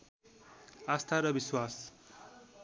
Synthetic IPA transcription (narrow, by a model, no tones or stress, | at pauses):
ast̪ʰaɾʌbiswas